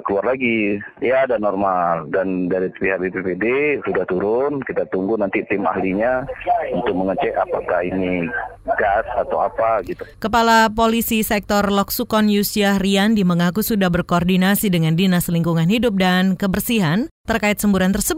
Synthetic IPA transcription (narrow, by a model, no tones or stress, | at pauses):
kəluarlaɡijadanːɔrmaldandaɾipiɦhak̚bepepedesudaht̪uɾʊnkit̪at̪uŋɡunant̪it̪ɪma̰hliɲaunt̪ʊk̚məŋət͡ʃɛapakahiniɡasat̪awapaɡit̪ukəpalapolisisɛk̚t̪ɔrlɔksukɔnjusiariandiməŋakusudahbərkoːrdinasidəŋandinasliŋkuŋanhidʊp̚dankəbərsiɦant̪ərkaɪt̪̚səmbuɾant̪ərsəb